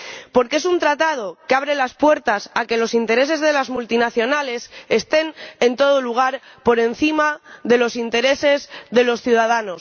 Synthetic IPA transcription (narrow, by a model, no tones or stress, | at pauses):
po̞ɾkee̞sunt̪ɾat̪að̞o̞keaβ̞ɾe̞laspwe̞ɾt̪asake̞lo̞sint̪e̞ɾe̞s̬e̞zðe̞lazmult̪inaθjo̞nale̞sest̪e̞ne̞nt̪o̞ð̞oluɣ̞aɾpo̞ɾe̞n̟θimaðe̞lo̞sint̪e̞ɾe̞se̞zðe̞lo̞sθjuðaðano̞s